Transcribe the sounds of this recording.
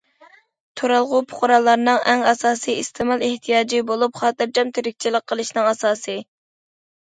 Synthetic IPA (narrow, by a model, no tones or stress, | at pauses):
t̪ʰoɾɑlˠʁʊpʰʊ̥χʊɾɑlˠːɑɾnɨŋʔɛŋɑsɑːsɨjist̪ʰɪmɑlˠeht̪ʰijɑːd͡ʒibolˠup̚χɑːt̪ɨɾd͡ʒɑmt̪ʰeɾɪk̚ʲt͡ʃʰilˠəqʰːəlˠɨʃnɨŋɑsɑːsɨ